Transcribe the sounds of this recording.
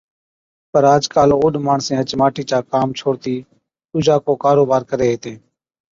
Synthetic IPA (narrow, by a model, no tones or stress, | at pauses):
pəɾaːd͡ʒkaːloːoːɗmaːɳsẽːɦət͡ʃmaːʈiːt͡ʃaːkaːmt͡ʃʰoːɽt̪iː | ʊd͡ʒaːkoːkaːɾoːbaːɾkəɾeːɦeːt̪ẽː